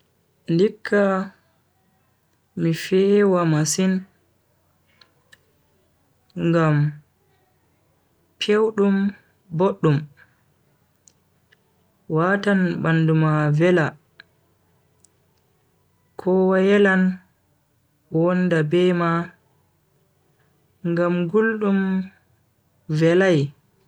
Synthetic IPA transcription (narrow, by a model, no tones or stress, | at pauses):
ndikʰːa | mifɛwamasin | ŋɡam | pʰewɗum | boɗːum | watanɓandumavɛla | kʰɔwajɛlan | wɔndabɛma | ŋɡamɡulɗum | vɛlaj